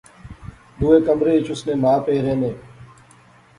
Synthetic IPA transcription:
ɗ̪uːeːkəmɾeːɪt͡ʃʰʊsnẽːmaːpeːɾẽːneː

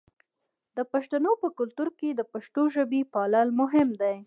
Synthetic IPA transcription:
d̪əpaʃt̪anopəkʊlt̪uɾked̪əpaʃʈ̪oʒəbipɑlalmʊɦɪmd̪aj

